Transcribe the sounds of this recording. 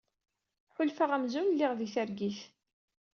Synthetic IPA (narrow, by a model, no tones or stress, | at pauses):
ħʊlfaʁæmzunlːiʁðiθæɾɡiθ